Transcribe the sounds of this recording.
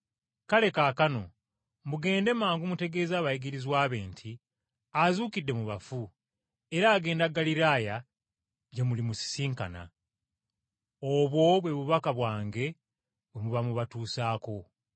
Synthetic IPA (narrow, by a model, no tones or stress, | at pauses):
kale̞kaːkano̞ | mbuɡe̞ːnde̞maːŋɡumute̞ɡe̞ːzaːβajiɡiɾizwaːβe̞ːntʰi | azuːkidːe̞muβafu | e̞ɾaːɡe̞ːndaɡaliɾaːja | ɟemulimusi̥siːŋkana̰ | oβwo̞βwe̞βuβakaβwaːŋɡe̞ | wemuβamuβatuːsaːko̞